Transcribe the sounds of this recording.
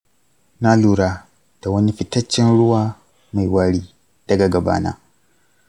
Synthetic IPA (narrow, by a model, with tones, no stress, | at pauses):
naː˦luː˦ɽa˦ | d̥a˨wɐ˦ni˦ɸɪ˨tɐ˦t͡ʃːɪ˦nɽʊ˦waː˦ | ma˨jwaː˦ɽiː˦ | d̥ɐ˨ɡa˨ɡɐ˨ba̰ː˦na̰ː˦